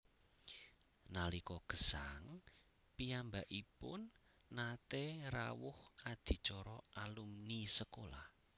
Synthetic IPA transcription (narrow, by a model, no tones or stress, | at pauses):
nalikɔɡ̥ə̤̥saŋ | piambaʔipʊnː | at̪era̰wʊhad̪̥i̤t͡ʃɔɾɔʔalumnisəkolah